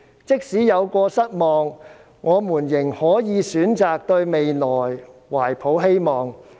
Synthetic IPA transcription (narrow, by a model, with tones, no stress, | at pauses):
t͡sɪ˥k̚siː˨˥jɐ˨˧wkʷɔː˧sɐ˥t̚mɔː˨ŋː | ʔɔː˨˧muː˨˩njɪ˨˩ŋhɔː˨˥jiː˨˧syː˨˥nt͡saː˨k̚t̪ɵ˧ɥme˨jlɔː˨˩jwaː˨˩jpʰo˨˥wɦe˥jmɔː˨ŋ